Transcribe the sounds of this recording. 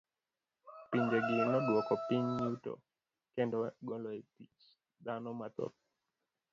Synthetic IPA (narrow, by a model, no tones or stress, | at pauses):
piɲd͡ʒɛɡinɔɗwɔkɔpiɲutɔ̰ | kɛndɔɡɔlɔɛtit͡ʃ | ɗ̪anɔmat̪ɔ̰t̚